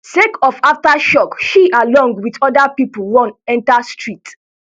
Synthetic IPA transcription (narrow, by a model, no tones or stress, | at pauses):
sekɔfaftaʃɔkʃiʔalɔ̃ŋɡwidɔdapipolwɔ̃nɛ̃ntastɹit